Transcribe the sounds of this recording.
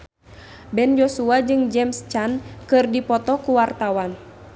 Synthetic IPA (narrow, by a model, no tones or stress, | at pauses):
bɛnd͡ʒosuad͡ʒɨŋd͡ʒɛmst͡ʃankɨrdipɔt̪ɔkuwart̪awan